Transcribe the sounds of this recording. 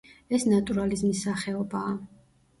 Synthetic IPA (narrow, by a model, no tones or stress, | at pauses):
ɛsnat̪ʼuɾalizmisːaχɛɔbaː